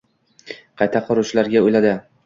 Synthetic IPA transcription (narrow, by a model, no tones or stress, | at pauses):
qʰɑjt̪ʰaqʰɒɾʊt͡ʃʰlaɾɡʲaojlad̪ɪ